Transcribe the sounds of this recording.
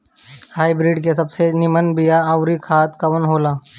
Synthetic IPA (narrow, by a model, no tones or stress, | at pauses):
haːibɾiːɖkesɐbsenɪmənbɪjaaʊɾikʰaːt̪kɐʋənɦoːlaː